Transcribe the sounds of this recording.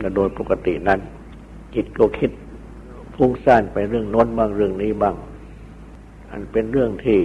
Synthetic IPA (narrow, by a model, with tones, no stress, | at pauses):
la˧˩doː˧jpo˧˩ka˧t̪ḭ˨na˧˥˨n | ki˧˩t̪̚ko˧˩kʰi˧˥t̪̚ | fʰu˧˥˩ŋsaː˧˩npa˧jɾɯ˥˩əŋno˧˥˨nbaː˧˩ŋɾɯ˧˩əŋniː˦˥˨baː˧˩ŋ | ʔa̰˧˨npe˧nɾɯ˥˩əŋt̪ʰiː˧˩